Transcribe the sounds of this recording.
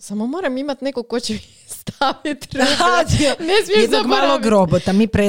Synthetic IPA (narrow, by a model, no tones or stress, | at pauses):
samomoːɾamimat̪nekokot͡ɕe | st̪ʰaʋit̪ɾanesmijɛd̪noɡmmaːlˠoɡɾobot̪amipɾe